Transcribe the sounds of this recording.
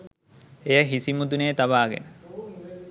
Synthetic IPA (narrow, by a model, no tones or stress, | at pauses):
ejəɦisimud̪uneːt̪abaːɡḛnə